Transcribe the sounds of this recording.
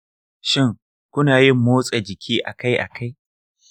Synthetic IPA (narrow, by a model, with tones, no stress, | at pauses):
ʃɪ˦ŋ | kʷʊ˦naː˨jɪ˦mːoː˦sʼa˨d͡ʒɪ˨kʲʰiː˦ʔa̰˨ka˦jʔa̰˨kʰa˦j